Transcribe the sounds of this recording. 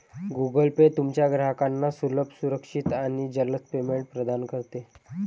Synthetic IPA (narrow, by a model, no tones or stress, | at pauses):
ɡuɡəlpet̪umt͡ɕjaɡɾaɦkanːasuləbʱsuɾəkʂit̪aɽ̃id͡ʑələt͡spemeɳʈ̚pɾəd̪ankəɾt̪e